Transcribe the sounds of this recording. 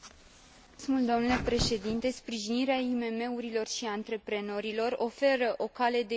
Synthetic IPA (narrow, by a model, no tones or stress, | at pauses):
smuld̪o̞mnule̞pɾe̞ʃe̞d̪int̪e̞spɾiʒiniɾeaime̞me̞uɾilo̞rʃiant̪ɾe̞pɾe̞no̞ɾilo̞ro̞fe̞ɾəʔo̞kale̞d̪e